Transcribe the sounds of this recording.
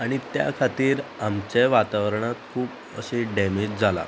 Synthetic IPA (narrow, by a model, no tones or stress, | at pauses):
aɽ̃it̪ja̰kʰat̪iːɾamt͡ɕeʋat̪aʋəɾɳat̪kʰuːp | əɕeɖɛmed͡ʑd͡zʱala̰